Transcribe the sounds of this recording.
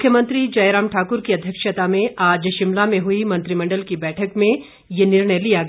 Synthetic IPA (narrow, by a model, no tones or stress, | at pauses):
mʊkʰjəmə̃nt̪ɾid͡ʒɐjɾaːmʈʰaːkʊɾkiɐd̪ʱjəkʃət̪amẽaːd͡ʒʃɪmlamẽɦʊimɐ̃nt̪ɾimɐ̃ɳɖəlkibɛːʈʰəkmẽ | jenɪɾɳəjlijaɡɐ